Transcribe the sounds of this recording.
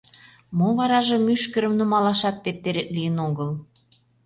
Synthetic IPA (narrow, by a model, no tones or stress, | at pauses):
moβɑɾɑʒə̆myʃkə̆ɾə̆mnumɑlɑʃɑt̪ːep̚t̪eɾet̪lijənoɣəl